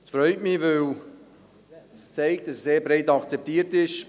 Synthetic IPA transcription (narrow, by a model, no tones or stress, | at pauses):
sfɾœʏtmivøl | st͡seɪkt̚d̥ɑsseːɾbɾeɪtɑkt͡sɛp̚tiːəɾtɪʃ